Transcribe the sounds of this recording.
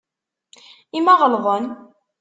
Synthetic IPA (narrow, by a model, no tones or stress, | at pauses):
imæʁəlðˤən